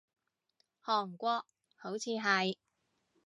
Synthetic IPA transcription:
hɔː˨˩ŋkʷɔː˧k̚ | ho˨˥wt͡sʰiː˧ɦɐ˨j

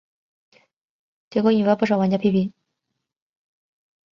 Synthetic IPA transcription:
t͡ɕɛ˧˥˩ko˥ni˨˩we˧˥pu˥˩ʂ̬ɑ˨˩ʊwa˥nt͡ɕja˥pʰi˥˩pi˧˥n

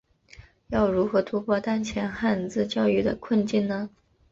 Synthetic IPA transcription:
jɑ˥˩ʊɻu˧˥xɤ˧˥t̪ʰu˥pʰwɔ˥˧t̪a˥nt͡ɕʰjɛ˧˥nxa˥˧nt͡sɹ̩˥˧t͡ɕjɑ˥˧ʊy˥˩d̪ə̰˩kʰwə˥˧nt͡ɕi˥˩nnə˩

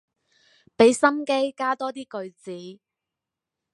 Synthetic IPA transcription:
pe˨˥jsɐ˥mke˥jkaː˥t̪ɔː˥t̪iː˥kɵ˧ɥt͡siː˨˥

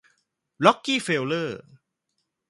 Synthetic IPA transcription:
ɾɔ˦˥kːiː˥˩fe˧wlɤː˥˩

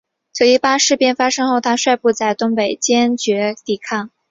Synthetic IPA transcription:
t͡ɕjo˥˩ʊi˥˩pa˥ʂɻ̩˥˧pjɛ˥˩nfa˥ʂɤ˥ŋxo˥˧ʊt̪ʰa˥ʂwa˥˧ɪpu˥˧t͡sa˥˩ɪt̪ʊ˥ŋpe˨˩ɪt͡ɕjɛ˥nt͡ɕɥɛ˧˥t̪i˥˩kʰɑ˥˩ŋ

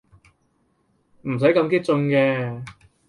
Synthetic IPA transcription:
m̩˨˩s̬jkɐ˧mk̬i˥t̚t͡sʊ˧ŋkɛː˧

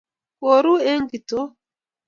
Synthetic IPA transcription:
ko˨ɾu˦e˦ŋ˦ɡi˨to˦

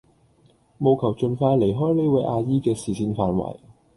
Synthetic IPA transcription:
mo˨wkʰɐ˨˩wt͡ʃɵ˧nfaː˧jle˨˩jɦɔː˥jle˥wɐ˧jʔaː˧jiː˥kɛː˧siː˨siː˨˧nfaː˨˧nwɐ̰˨˩j

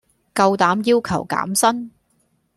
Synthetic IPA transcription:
kɐ˧wt̪aː˨˥mjiː˥wkʰɐ˨˩wka̰ː˨˥msɐ˥n

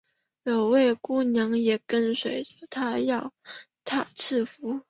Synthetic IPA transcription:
jo˨˩ʊwe˥˩ɪku˥˩njɑ˧˥ŋjɛ˨˩kə˥nswe˨˥ɪʈ͡ʂə˧˩t̪ʰa˥jɑ˥˧ʊt̪ʰa˥˩t͡s̩ʰ˥˩fu˧˥

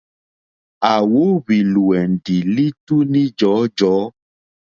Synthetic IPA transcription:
a˨wo˨˦βi˨lu˨ɛ˨n˨ɖi˨li˦tu˦nĩ˦d͡ʒɔ˨˦d͡ʒɔː˨˦

